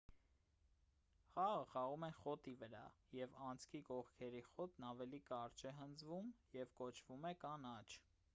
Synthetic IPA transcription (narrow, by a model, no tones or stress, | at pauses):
χɑʁəχɑʁumɛχɔt̪ivəɾɑ̰jɛvɑnt͡sʰkʰikɔʁkʰɛɾiχɔt̪nɑvɛlikɑɾt͡ʃʰɛɦənd͡zvumjɛvkɔt͡ʃʰvumɛkɑnɑt͡ʃʰ